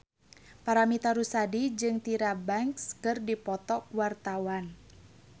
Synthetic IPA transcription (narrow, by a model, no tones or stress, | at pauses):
paɾamit̪aɾusadid͡ʒɨŋt̪iɾabaŋkskɨrdipɔt̪ɔkuwart̪awan